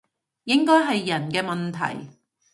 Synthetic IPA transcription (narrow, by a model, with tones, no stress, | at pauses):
jɪ˥ŋkɔː˥jɦɐ˨jːɐ˨˩nkɛː˧mɐ˨nt̪ʰɐ̰˨˩j